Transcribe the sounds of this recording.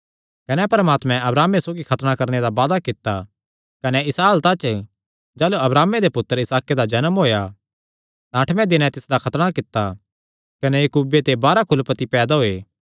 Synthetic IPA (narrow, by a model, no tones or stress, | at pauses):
kɐnɛpɐɾəmaːt̪mɛ̃ɐbɾaːmːesoːɡikʰɐt̪ɽ̃ãkɐɾned̪abaːd̪akɪt̪ːa | kɐnɛɪsaːlt̪at͡ʃə | d͡ʒaːluɐbɾaːmed̪epʊt̪ːəɾɪsaːked̪ad͡ʒɐnəmɦoːja | t̪ãːʈʰmɛ̃d̪ɪnɛ̃t̪ɪsd̪akʰɐt̪ɽ̃akɪt̪ːa | kɐnɛjɐkuːbet̪ebaːɾakʰʊlpət̪ipɛːd̪aɦoeː